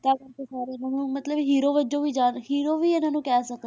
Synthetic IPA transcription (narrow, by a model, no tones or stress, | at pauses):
t̪aːkəɾkeːsaːɾeːnaːnũːmət̪ləbɦiːɾoːʋəd͡ʒõːʋiːd͡ʒaːnhiːɾoːʋiːɪnãːnũːkɛːsək